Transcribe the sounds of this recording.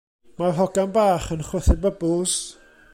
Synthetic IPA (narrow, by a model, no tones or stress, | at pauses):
maɦɔɡanbaːχənχwəθɪbəbʊlˠs